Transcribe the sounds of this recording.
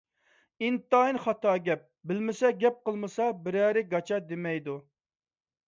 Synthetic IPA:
int̪ɑːinχɑt̪ɑːɡʲɛp̚bɪlmɪsɛɡʲɛp̚qəlˠmɨsɑbɪɾæːɾɪɡɑt͡ʃʰɑd̪emɛjd̪u

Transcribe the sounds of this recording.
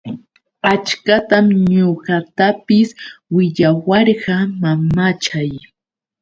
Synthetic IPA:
at͡ʃkat̪amɲoɢɑt̪apɪswɪʎawɑɾɢɑmamat͡ʃaj

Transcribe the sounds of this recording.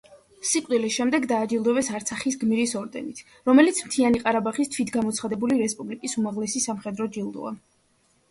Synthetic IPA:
siqʼd̪ilisʃɛmd̪ɛɡd̪aːd͡ʒilˠd̪ɔvɛsaɾt̪sʰaχisɡmiɾisɔɾd̪ɛ̰nit̪ʰ | ɾɔmɛlit̪sʰmt̪ʰianiqʼaɾabaχist̪ʰwit̪ʰɡamɔt̪sʰχad̪ɛbuliɾɛspʼublikʼisumaʁlɛsisamχɛd̪ɾɔd͡ʒilˠd̪ɔ̰a̰

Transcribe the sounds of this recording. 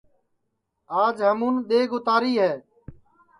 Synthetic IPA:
aːd͡ʒɦəmũːnɗ̪eːɡʊt̪aːɾiːɦɛː

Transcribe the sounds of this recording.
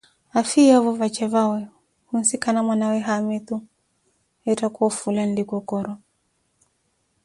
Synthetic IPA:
afijavɔvat͡ʃɛvawɛ | hunsikanamwanawɛɦamit̪u | ɛtakuɔfulandikɔkɔɾɔ

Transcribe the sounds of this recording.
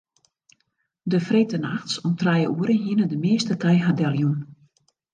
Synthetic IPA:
dəfretənaxtsɔmtrɛjəʔuəɾəɦiənədəmɪəstətɛjɦadɛlˠjun

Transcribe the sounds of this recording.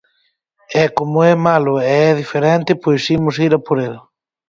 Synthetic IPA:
ɛkomʊɛmalʊɛɛðifeɾɛnt̪ɪpojsimʊs̬iɾapoɾel

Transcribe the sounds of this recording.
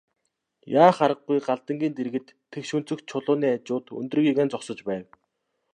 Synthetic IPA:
jaːχaɾə̆ɡ̚ɡujɢaɮt̪ə̆ŋɡʲiːnt̪eɾɣɘ̆t̪ʰːekʃɵn̥t͡sɵ̆kt͡ɕʰʊɮʊːniːat͡ɕʊːt̪ɵ̰nt̪rɵ̆ɣiɣeːnt͡sɔχsə̆t͡ɕpæːw

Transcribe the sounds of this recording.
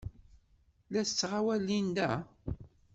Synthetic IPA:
læst͡sːʁawælːind̪æ

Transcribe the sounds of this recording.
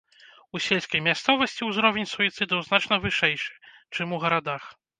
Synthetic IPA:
usʲelʲskɐjmʲast̪sɔvɐsʲt͡sʲiuzɾɔvʲenʲsujit̪sɨd̪ɨwzn̪at͡ʂnɐvɨʂɛjʂɨ̥t͡ʂɨmuɣɐɾad̪ax

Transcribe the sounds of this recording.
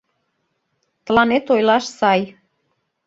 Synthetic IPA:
t̪lɑnet̪ojlɑʃsɑj

